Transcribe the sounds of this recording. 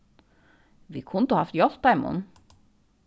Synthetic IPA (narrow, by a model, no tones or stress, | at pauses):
ʋḭːkʰʊnt̪ʊhɑft̪jɔlp̚d̪æɪmʊ̰n